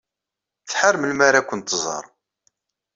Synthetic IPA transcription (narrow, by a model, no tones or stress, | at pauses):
t͡sħəɾməlmaɾakʷːənt̪zˤɑ̰ɾˤ